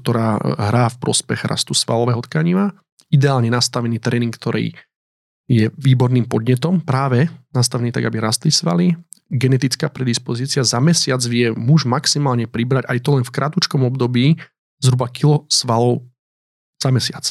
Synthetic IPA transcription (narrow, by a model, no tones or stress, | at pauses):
kt̪ɔɾaːɦɾaːfpɾɔspɛɣɾa̰st̪usʋa̰lɔʋɛɦɔt̪kaɲiʋa | id̪ɛaːlɲɛnast̪aʋɛniːt̪ɾɛːniŋkt̪ɔɾʔɛ̰ː | jɛʋiːbɔɾniːmpɔd̪ɲɛt̪ɔmpɾaːʋɛnast̪aʋɛniːt̪aɡabiɾast̪lisʋa̰li | ɡɛnɛt̪it͡skaːpɾɛd̪ispɔziːt͡siazamɛsɪad͡zʋɪɛmuʒmaksimaːlɲɛpɾibɾaɟajt̪ɔlɛnfkɾʔat̪ut͡ʃkɔmɔbd̪ɔbiː | zɦɾubakilɔsʋalɔʊ | z̥amɛsɪa̰t͡s